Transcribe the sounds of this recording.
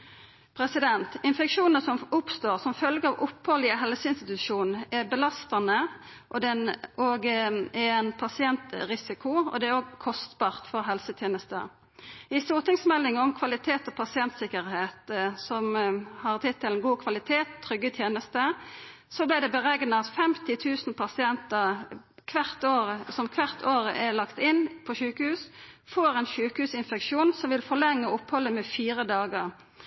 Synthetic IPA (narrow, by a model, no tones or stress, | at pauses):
pʰɾɛsɪd̪ɛnt̪ɪnfɛkʂuːnəsɔmʊpst̪oːʁsɔmfœlɡəɑʋʊphɔlɪəɦɛlsəɪnst̪ɪt̪ʉʃuːnæbəlɑst̪ɑnə | ʔɔd̪ɛnoːɡɛɛnpʰɑsɪɛnt̪ʁɪsɪkʊɔ̰d̪ɛæɾoːɡkʰɔst̪bɑːʁt̪fɔʁɦɛlsət̪ʰjeːnəst̪ə̰ | ɪst̪uːʁt̪ɪŋsmɛlːɪŋəɔmkʰʋɑlɪt̪ʰeːt̪ɔpʰɑsɪɛnt̪sɪkːəʁheːt̪sɔmhɑʁt̪ʰɪt̪ʰːɛlənɡuːkʰʋɑlɪt̪ʰeːt̪ʰːʁʏɡːət̪ʰjeːnəst̪ə | sɔblɪd̪ɛbəʁɛɡnəɑt̪fɛmt̪ɪt̪ʰʉːsn̩pʰɑsɪɛnt̪əʁ | kʰʋæʁt̪oːʁəsɔmkʰʋæʁt̪ʰoːʁəʔɛlɑkt̪ɪnpʰɔʃʉːkəhʉːsfɔʁɛnʃʉːkəhʉːsɪnfɛkʃuːnsɔmʋɪlfɔʁlɛŋːəʊphɔlːəmɛfiːʁəd̪ɑːɡəʁ